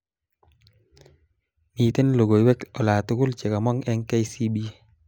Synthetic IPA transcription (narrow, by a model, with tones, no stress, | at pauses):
mi˨te˦nlo˨ɡo˨jwɛ˦kɔ˨laː˨tu˦kʊ˦lt͡ʃe˨ka˨mɔ˦ŋɛ˦ŋke˦jsi˦bi˦